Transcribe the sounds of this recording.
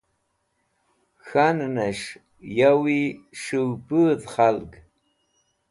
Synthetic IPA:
xannɐʂ | jawiʂɨwbɨdχalɡ

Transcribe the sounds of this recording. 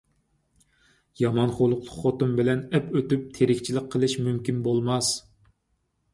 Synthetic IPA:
jɑmɑnχolˠʊqlˠʊqχːot̪umbɪlɛnɛpøt̪yp̚t̪ʰeɾɪkʲt͡ʃʰilɪqqʰːəlˠɨʃmymkʲinbolˠmɑs

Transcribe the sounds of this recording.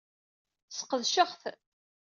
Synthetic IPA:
sə̥qəðʃəχθ

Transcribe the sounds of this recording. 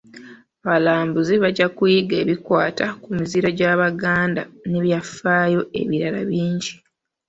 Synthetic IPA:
aβalaːmbuziβaɟakujiɡe̞ːβikwaːtʰakumiziɾaɟaːβaɡaːndaneβjafːaːjo̞e̞̰βiɾalaβiːɲɟi

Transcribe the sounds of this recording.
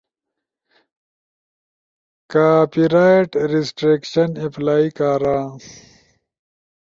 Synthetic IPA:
kaːpiɾaːiʈɾisʈɾeːkɕɐniplaːikaːɾãː

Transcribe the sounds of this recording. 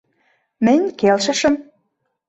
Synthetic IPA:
mɘ̆ɲʲkelʃə̆ʃə̆m

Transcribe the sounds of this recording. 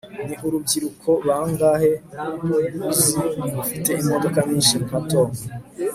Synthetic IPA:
niɦuɾub̚ɡiɾukʰo̞βaːŋɡahe | uziufite̞imo̞do̞kaɲiːnʃimukatoːŋe

